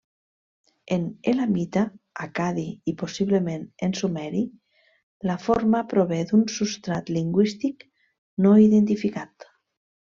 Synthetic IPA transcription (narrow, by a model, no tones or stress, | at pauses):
enelamit̪aakaðiiposiβlemenensumɛɾi | lafoɾmapɾoβɛd̪unsust̪ɾat̪liŋɡwist̪ik | noiðent̪ifikat̪